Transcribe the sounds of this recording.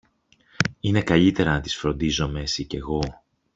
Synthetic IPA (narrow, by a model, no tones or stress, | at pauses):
ine̞kɐʎit̪e̞ɾɐnɐt̪i̥sfɾo̞nd̪izo̞me̞sice̞ɣo̞